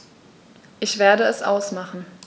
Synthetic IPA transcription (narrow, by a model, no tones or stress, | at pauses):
ʔɪçv̥eːɐɾəɛsʔaʊsmaχn̩